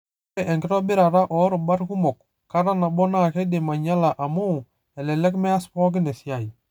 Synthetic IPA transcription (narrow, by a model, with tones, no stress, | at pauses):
ɛ˦ʔɛ˨ŋɡɪ˦ɾɔ˦bɪ˦ɾa˨ɾa˦ʔɔ˨˦ɾʊ˨ba˦ɾku˦mɔ˨k | ka˦ɾa˦na˨bɔ˦na˦˨kɛ˦de˨ma˨ɲa˦la˨ʔa˨mo˦˨ | ɛ˨lɛ˨lɛ˦kmɛ˦a˦spɔ˦k̬ɪ˦nɛ˨sja˨i˨